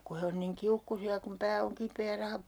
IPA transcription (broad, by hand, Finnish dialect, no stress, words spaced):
ku he on niŋ kiukːusiɑ kum pæː oŋ kipeː jɑ rɑhɑp